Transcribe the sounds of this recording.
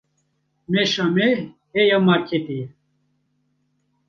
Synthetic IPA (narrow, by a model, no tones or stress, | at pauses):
meʃame | ejamaɾkʰet̪i